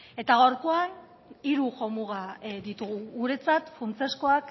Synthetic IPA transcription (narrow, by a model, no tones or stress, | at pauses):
e̞t̪aɣawɾkoa | iɾuʝo̞muɣaðit̪uɣ̞uɣuɾe̞t͡sat̪funt͡sesko̞ak